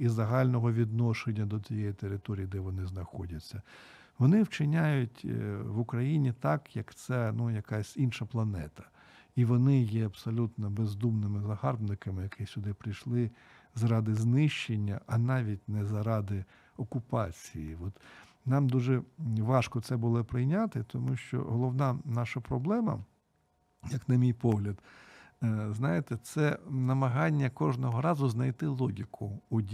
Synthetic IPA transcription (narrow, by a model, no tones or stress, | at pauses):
izɐɦɑlʲnɔɦɔʋʲid̪nɔʃenʲːɐd̪ɔt͡sʲijɛjit̪eɾɪt̪ɔɾʲijid̪ɛʋɔnɪznɐxɔdʲɐt͡sʲːɐ | ʋɔnɪwt͡ʃɪnʲajʊtʲʋʊkɾɐjinʲit̪ɑkjɐkt̪sɛnujɐkɑsʲinʃɐplˠɐnɛ̰t̪ɐ̥ | iʋɔnɪjɛɐbsɔlʲut̪nɔbezd̪umnɪmɪzɐɦɑrbnɪkɐmɪjɐkʰɪsʲʊd̪ɪpɾɪjʃlˠɪ | zɾɑd̪ɪznɪʃt͡ʃenʲːɐʔɐnɑʋʲitʲnɛzɐɾɑd̪ɪ | ɔkʊpɑt͡sʲijiʋɔt̪ | nɑmd̪uʒɛʋɑʃkɔt̪sɛbʊlˠɔpɾɪjnʲat̪ɪt̪ɔmuʃt͡ʃɔ̰ɦɔlˠɔʋnɑnɑʃɐpɾɔblˠɛmɐ̰ | jɐknɐmʲijpɔɦlʲɐd̪ | znɑjet̪ɛt̪sɛnɐmɐɦɑnʲːɐkɔʒnɔɦɔɾɑzʊznɐjt̪ɪlˠɔɦʲikʊʊdʲ